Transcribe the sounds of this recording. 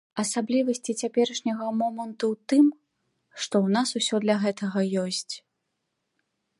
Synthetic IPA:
ɐsablʲivɐsʲt͡sʲit͡sʲapʲɛɾɐʂnʲɐɣɐmɔmɐnt̪uwt̪ɨm | ʂt̪ɔwnasusʲɔd̪lʲɐɣɛt̪ɐɣɐjɔsʲt͡sʲ

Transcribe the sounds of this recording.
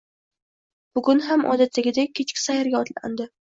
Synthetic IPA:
b̥ʊɡʊnɦamʔɒ̰d̪at̪ʰːaɡʲɪd̪akʲʰet͡ʃkʲɪ̥sajaɾɡʲaɒt̪la̰nd̪ɪ

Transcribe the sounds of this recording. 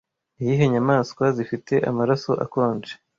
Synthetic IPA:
niiɦeɲamaːskwazifite̞ʔa̰maɾaso̞ʔa̰ko̞ːnd͡ʒe

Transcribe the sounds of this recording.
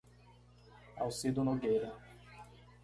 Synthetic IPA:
a̰wsid̪ʊnoɡejɾɐ

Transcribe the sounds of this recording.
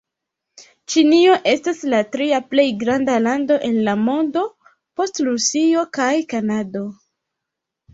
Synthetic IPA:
t͡ʃinio̞ʔe̞staslatɾiaple̞jɡɾandalando̞ʔe̞nlamo̞ndo̞ | po̞stɾusio̞kajkanado̞

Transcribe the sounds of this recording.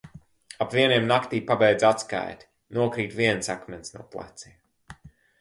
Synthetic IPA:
apviɛniɛmnakt̪iːpabɛjd̪zat̪ska̰jt̪ʲ | nuɔkɾiːt̪viɛnsakmɛnsnṵɔplˠa̰t̪siːm

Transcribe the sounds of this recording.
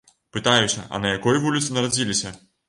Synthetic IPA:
pɨt̪ajusʲɐʔɐ̰nɐjakɔjvulʲit̪sɨnɐɾad͡zʲilʲisʲɐ

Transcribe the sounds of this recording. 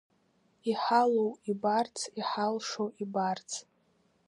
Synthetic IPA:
iħalowibart͡sʰiħalʂowʔibart͡sʰ

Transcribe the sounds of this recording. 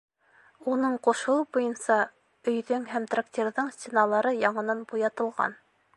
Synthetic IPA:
unɤɴqŏʃɤ̆bujɤnsɑ | ɵ̆jðɵŋɦæmt̪rak̚t̪ʲeɾðɤɴsʲt̪ʲenɑlˠɑɾɤjɑɴɤ̆nɑnbujɑt̪ɤ̆lˠʁɑ̰n

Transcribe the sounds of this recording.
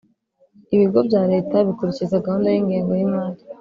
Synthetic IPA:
iβiɡo̞bjaːɾe̞ːtaβikuɾecizaɡahuːndajiŋɡiːŋɡo̞jimaːli

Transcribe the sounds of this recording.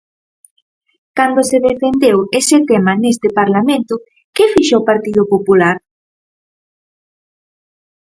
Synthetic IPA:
kand̪oseðefend̪ewesɪt̪emanest̪ɪpaɾlamẽnt̪ʊ | kefiʃoːpaɾt̪ið̞ʊpopulaɾ

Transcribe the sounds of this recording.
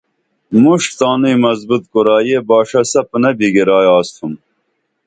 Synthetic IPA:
muʂʈt̪ɑːnujmɐzbut̪koɾɑːjebɑːʂɐsɐpənɐbiɡeɾɑːjɑːst̪ʰum

